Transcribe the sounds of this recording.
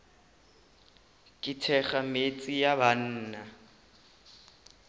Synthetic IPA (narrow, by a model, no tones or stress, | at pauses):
kʼɪtʰɛχamet͡sʼijaban̩ːna